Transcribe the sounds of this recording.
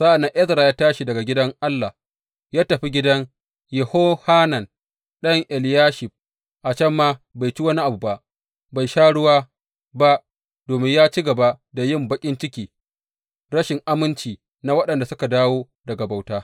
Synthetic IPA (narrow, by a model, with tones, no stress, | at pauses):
sa˦ʔa˨nːa˦ʔɛ˦tɾa˨jaː˦taː˦ʃi˨dɐ˨ɡa˨ɡʲɪ˦dɐ˦ŋʔa˦lːa˨ | jaː˦tɐ˨ɸi˦ɡʲɪ˦dɐ˦ŋ | jɛ˨hoː˦haː˦nɐ˨n | ɗɐ˦ŋʔɛ˨ljaː˦ʃɪ˨ɸ̚ | ʔa˨t͡ʃɐ˦mːaː˦ba˨jt͡ʃi˦wɐ˦ni˦ʔa˨bu˨ba˦ʔ | ba˨jʃaː˦ɽʊ˦waː˦ | ba˦ʔ | d̥oː˨mɪ˦ɲjaː˦t͡ʃi˦ɡɐ˨ba˦da˨jɪ˦˨mbɐ˦kʲʼɪ˦nt͡ʃɪ˦kʲiː˨ | ɽɐ˦ʃɪ˨ŋʔa˦mɪ˦nt͡ʃiː˨ | na˨wɐ˦ɗɐ˨nda˨sʊ˦ka˨daː˦woː˦ | dɐ˨ɡa˨ba˨wtaː˦